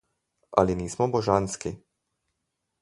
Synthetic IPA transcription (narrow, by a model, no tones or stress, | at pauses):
a̰liniːsmɔbɔʒanski